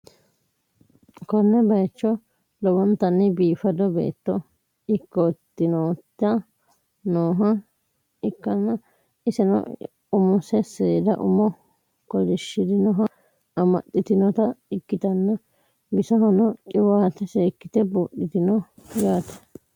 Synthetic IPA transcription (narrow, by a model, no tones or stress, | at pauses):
kɔnːɛbɐjt͡ʃːɔ | lɔwɔnt̪ɐnːɪbiːfɐd̪ɔbḛːt̪ːɔ | ɪkːɔt̪ːɪnoːt̪ːɐ | noːɦɐ | ɪkːɐnːɐ | ɪsɛnɔ̰ | ʊmɔsɛseːd̪ɐ̰ʔʊ̰mɔ | kɔd͡ʒɛʃːɪd̪ɪnɔɦɐ | ɐmɐ̰tːɪt̪ɪnɔt̪ɐɪkːɪt̪ɐnːɐ | bɪsɔɦɔnɔt͡ʃʼɪwaːt̪ɛseːkːɪt̪ɛbuɗɪt̪ɪnɔjaːt̪ɛ̥